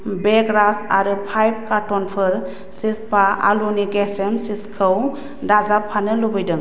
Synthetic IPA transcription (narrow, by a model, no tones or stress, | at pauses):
beɡɾasaɾɯpʰajb̚kaɾtɔnpʰɯɾ | sispaʔa̰luniɡɛsemsiskʰɯw | dazapʰːanɯlubɯjdɯŋ